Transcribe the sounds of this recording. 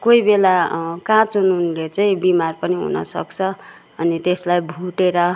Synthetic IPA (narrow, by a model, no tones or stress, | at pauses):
kojbelakãt͡sunuːnlet͡saĩbimarpʌniɦṵnʌ̰sʌ̰kt͡sʰʌ | ʌnit̪eslajbʱuʈeɾʌ